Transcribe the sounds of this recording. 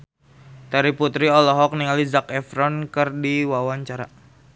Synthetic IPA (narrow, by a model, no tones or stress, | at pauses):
t̪aɾiput̪ɾiɔlɔɦɔk̚niŋalizakɛfɾɔnkɨrdiwawaɲt͡ʃaɾa̰